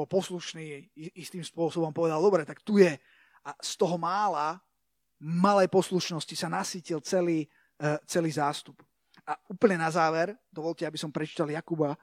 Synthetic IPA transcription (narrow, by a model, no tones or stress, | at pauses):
ɔlpɔsluʃniːist̪iːmspʊɔsɔbɔmpɔʋɛd̪alˠd̪ɔbɾɛt̪akt̪ujɛ | ast̪ɔɦɔmaːla | malɛjpɔsluʃnɔscisanasiːcilt͡sɛliː | t͡sɛliːzaːst̪up | ʔauːpl̩ɲɛnazaːʋɛɾd̪ɔʋɔlcɛabisɔmpɾɛt͡ʃi̥t̪aljakuba